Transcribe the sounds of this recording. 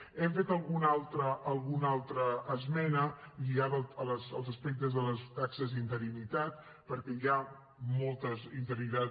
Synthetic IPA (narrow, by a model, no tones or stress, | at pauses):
ɛmfet̪əlˠɣunalˠt̪ɾəːlˠɣunalˠt̪ɾəːzmɛnəʎiatəələzəlˠzəspɛk̚t̪əzðələst̪aksəzint̪əɾinit̪at̪ | pəɾkɛja | mɔlˠt̪əzint̪əɾit̪a